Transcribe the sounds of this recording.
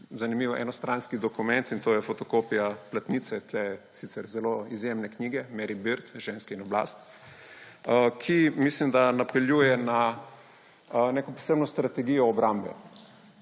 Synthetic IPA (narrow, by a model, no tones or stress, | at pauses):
zanimiʋʔɛ̰nɔst̪ɾanskid̪ɔkumɛnt̪int̪oːjɛfɔt̪ɔkopijaplat̪niːt̪sɛt̪lɛsit̪sɛɾzɛloizjemnɛkniɡɛmɛɾibiɾt̪ʒenskɛinɔbla̰st̪ | kʰimislimd̪anapɛljujɛna | nekɔpɔ̥sebnɔst̪ɾat̪ɛɡiːjɔːbɾambɛ̰